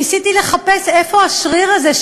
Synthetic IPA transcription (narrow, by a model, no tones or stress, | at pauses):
isit̪ile̞χape̞se̞fo̞aʃʁiʁaze